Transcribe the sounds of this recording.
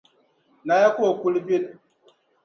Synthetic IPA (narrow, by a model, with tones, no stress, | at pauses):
na˨ja˦kʷo˦˨ku˦lbi˦n